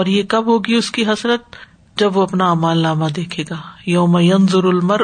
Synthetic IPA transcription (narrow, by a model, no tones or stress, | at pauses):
ɔːɾjekɐbɦoːɡiʊskiɦɐsɾət̪̚ | d͡ʒɐbʋoɐpnaːmaːlːaːmad̪eːkʰeːɡaːjoːmajɐnzʊɾʊlmɐɾ